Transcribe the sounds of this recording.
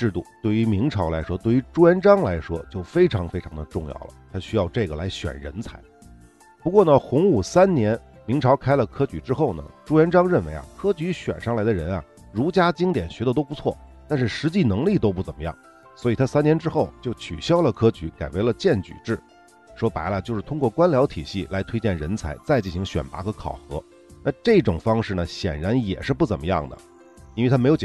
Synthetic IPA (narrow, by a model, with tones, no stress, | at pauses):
ʈ͡ʂɻ̩˥˧t̪ṵ˥˩t̪we˥˩ɪy˧˥mi˧˥ŋʈ͡ʂʰɑ˧˥ʊla˧ɪʂwɔ˥t̪we˥˩ɪy˧˥ʈ͡ʂu˥jɛ˧˥nʈ͡ʂɑ˥ŋla˧˥ɪʂwɔ˥t͡ɕjo˥˩ʊfe˥ɪʈ͡ʂʰɑ˧˥ŋfe˥ɪʈ͡ʂʰɑ˧˥ŋd̪ə˧ʈ͡ʂʊ˥˧ŋjɑ̰˥˩ʊlə̰˩t̪ʰa˥ɕy˥jɑ˥˧ʊʈ͡ʂɤ˥˩ɡə˩la̰˧˥ɪɕɥɛ̰˨˩nɻə̰˧˥nt͡sʰa˧˥ɪ | pu˧˥kwɔ˥˩nə˩xʊ˧˥ŋu˨˩sa˥nnjɛ˧˥n | mi˧˥ŋʈ͡ʂʰɑ˧˥ʊkʰa˥ɪlə˨kʰɤ˥t͡ɕy˧˩ʈ͡ʂɻ̩˥xo˥˩ʊnə̰˩ʈ͡ʂu˥ɛ˧˥nʈ͡ʂɑ˥ŋɻə˥˩nwḛ˧˥ɪa̰˧kʰɤ˥t͡ɕy˧˥ɕɥɛ̰˨˩nʂɑ˥˩ŋla˧˥ɪd̪ə˧ɻə˧˥nɐ̰˨ | ɻu˧˥t͡ɕja˥t͡ɕi˥ŋt̪jɛ˨˩nɕɥɛ˧˥d̪ə˧t̪o˥ʊpu˧˥t͡sʰwɔ˥˩t̪a˥˧nʂɻ̩˥˩ʂɻ̩˧˥t͡ɕi˥˩nɤ˧˥ŋli˥˩t̪̬o˥ʊpu˥˩t͡sə˨˩mə˦jɑ̰˥˩ŋ | swɔ˧˥i˨˩t̪ʰa˥sa˥njɛ˧˥nʈ͡ʂɻ̩˥xo˥˩ʊt͡ɕjo˥˩ʊt͡ɕʰy̰˨˩ɕjɑ˥ʊlə˨kʰɤ˥t͡ɕy˧˥ka˨˩ɪwe˧˥ɪlə˧t͡ɕjɛ˥˩nt͡ɕy̰˨˩ʈ͡ʂɻ̩˥˩ | ʂwɔ˥pa˧˥ɪlə˧t͡ɕjo˥˧ʊʂɻ̩˥˩t̪ʰʊ˥ŋkwɔ˥˩kwa˥nljɑ˧˥ʊt̪ʰi˨˩ɕi˥˩la˧˥ɪt̪ʰwe˥ɪt͡ɕjɛ˥˩nɻə˧˥nt͡sʰa˧˥ɪt͡sa˥˧ɪt͡ɕi˥˩nɕi˧˥ŋɕɥɛ̰˨˩npa̰˧˥xɤ˧˥kʰɑ̰˨˩ʊxɤ̰˧˥ | na˥˧ʈ͡ʂɤ˥˩˧ʈ͡ʂʊ˨˩ŋfɑ˥ŋʂɻ̩˥˩nə˩ɕjɛ̰˨˩nɻa˧˥njɛ̰˨˩ʂɻ̩˥˧pu˥˩t͡sə˨˩nmə˦jɑ̰˥˩ŋd̪ə̰˩ | jnwe˥˩ɪtʰa˥m˧˥jo˧˥ʊ˨